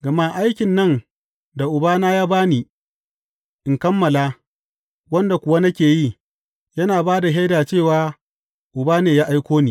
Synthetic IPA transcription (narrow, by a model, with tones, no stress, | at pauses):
ɡɐ˨ma˦ʔa˦jkʲɪ˨nːɐ˦n | da˨ʔʊ˨baː˦naː˦jaː˦baː˦niː˨ | ʔɪ˨ŋkɐ˦mːɐ˨laː˦ | wɐ˦nda˨kʷʊ˨wa˦nɐ˦kʲeː˨jiː˦˨ | jɐ˦naː˨baː˦da˨ɦa˦jdaː˨t͡ʃeː˦˨waː˦ | ʔʊ˨baː˦neː˨jaː˦ʔa˦jkʷoː˦niː˨